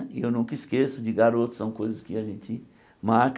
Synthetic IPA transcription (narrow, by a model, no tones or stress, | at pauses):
iewnũŋkɐiskesʊd͡ʒɪɡaɾot̪ʊ̥sɐ̃w̃kojzɐskɪaʒẽnt͡ʃ̪ɪ | maɾk